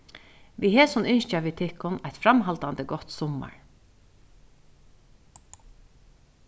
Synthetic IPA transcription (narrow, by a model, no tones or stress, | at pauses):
ʋiɦɛːsɔnʏnʃt͡ʃaʋit̪ʰɪhkʊnajt̪fɾamɦalt̪ant̪əɡɔt̪sɔma̰ɹ